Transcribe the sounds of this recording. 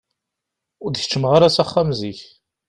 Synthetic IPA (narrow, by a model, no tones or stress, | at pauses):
ʊɾd̪çə̥t͡ʃːəmʁaɾasaχːamziç